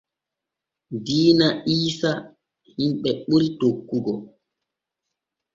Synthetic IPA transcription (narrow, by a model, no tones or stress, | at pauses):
diːnaʔiːsa | himɓɛɓuɾitokːuɡɔ